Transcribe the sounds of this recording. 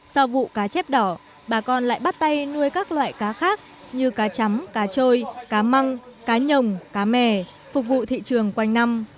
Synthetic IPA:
sa˧wvṵ˧˨kaː˨˦t͡ɕɛ˦˥p̚ɗɔ˨˧˩ | ɓaː˨˩kɔ˧nla̰ː˧˨jɓa˦˥t̚t̪a˧jnu˧əjkaː˦˥k̚lwa̰ː˧˨jkaː˨˦xaː˦˥k̚ | ɲɨ˧kaː˨˦t͡ɕa˨˦mkaː˨˦t͡ɕo˧jkaː˨˦ma˧ŋkaː˨˦ɲə˨˩wŋ͡mkaː˨˦mɛ˧˩ | fʊ˨˩k̚vṵ˧˨t̪ʰḭ˧˨t͡ɕɨ˨˩əŋkwa˧jŋ̟na˧m

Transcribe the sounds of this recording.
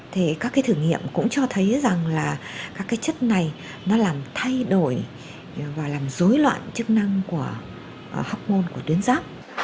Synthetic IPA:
t̪ʰe˨˩kaː˦˥kːaː˨˦jt̪ʰɨ˧˩ŋḭ˧˨əmkʊ̰˧˥ŋ͡mt͡ɕɔ˧t̪ʰə˨˦jza˨˩ŋlaː˨˩kaː˦˥kːaː˨˦jt͡ɕə˦˥t̚na˨˩j | nɔ˨˦laː˨˩mt̪ʰa˧jɗo˧˩j | vaː˨˩laː˨˩mzo˨˦jlwa̰ː˧˨nt͡ɕɨ˦˥k̚na˧ŋku˧˩ə | hɔ˦˥wk͡p̚mo˧nku˧˩ət̪wi˨˦ənzaː˦˥p̚

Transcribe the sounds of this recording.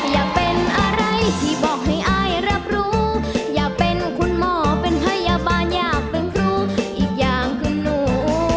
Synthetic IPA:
jaː˨˩k̚pe˧nʔa˧ɾa˧jt̪ʰiː˧˩bɔː˨˩k̚ha˧˥˩jʔaː˧˩jɾa˦˧˥p̚ɾuː˦˥jaː˨˩k̚pe˧nkʰu˧˥nmɔː˧˩pe˧nhʰa˧˥˩jːaː˧baː˧njaː˧˩k̚t̪ɯ˨˧˦ŋɾuː˧˩ʔiː˨˩k̚jaː˨˩ŋkʰɯ˧˩nːuː˨˩

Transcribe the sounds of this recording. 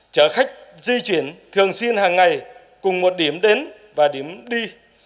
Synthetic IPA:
t͡ɕəː˧˦xa˦˥jk̟̚zi˧t͡ɕwi˧˩˦ənt̪ʰɨ˨˩əŋswi˧ənhaː˨˩ŋːa˨˩j | kʊ˨˩ŋ͡mmo˨˩t̚ɗi˧˩əmɗe˨˦n | vaː˨˩ɗi˧˩˦əmɗi˧

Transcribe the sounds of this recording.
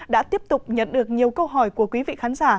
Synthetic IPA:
ɗa̰ː˧˥t̪i˦˥əp̚t̪ʊ˨˩k͡p̚ɲə̰˧˨nɗɨ˨˩ək̚ɲi˨˩əwkə˧wɦɔ˧˩jku˧˩əkwi˨˦vḭ˧˨xaː˨˦nzaː˧˩

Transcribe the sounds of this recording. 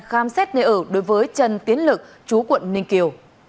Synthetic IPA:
xaː˨˦msɛː˦˥t̚nḛ˧˨ʔəː˧˩ɗo˨˦jvəː˨˦jt͡ɕə˧nt̪i˨˦ənlɨ˨˩k̚ | t͡ɕu˨˦kwə̰˧˨nːï˧˩ŋ̟ki˧˩əw

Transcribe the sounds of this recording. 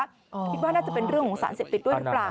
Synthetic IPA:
a˦˥ | ki˦˥t̪̚waː˥naː˥˩t͡ɕa˨˩pe˧nɾɯ˥˩əŋkʰɔː˨˩˦ŋsa̰ː˩˦nseː˨˩p̚t̪i˨˩ɗu˥˩ɾɯ˦˥laː˨˩

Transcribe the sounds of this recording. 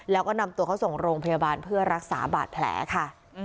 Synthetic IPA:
lɛː˦˥wkɔː˥˩na˧mt̪u˧əkʰa˦˥wso˨˩ŋɾoː˧ŋpʰa˧ja˧baː˧npʰɯ˥˩ɐɾa˦˥k̚sa̰ː˩˦ba̰ː˨˩t̪̚pʰlɛ̰ː˩˦kʰa˥˩

